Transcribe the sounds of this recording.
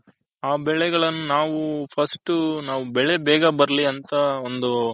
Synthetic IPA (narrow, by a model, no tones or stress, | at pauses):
aːbɛɭɛɡɐɭɐnːunaːʋupʰɐsʈunaːʋubɛɭebɛːɡɐbɐɾɐliɐnt̪ɐond̪u